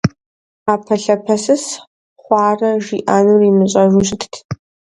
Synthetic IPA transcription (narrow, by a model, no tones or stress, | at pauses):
aːpʰɐɬɐpʰɐsɨs | χʷɑːrɐʒiːʔaːnurimɨɕʼɐʒuːɕtʰtʰ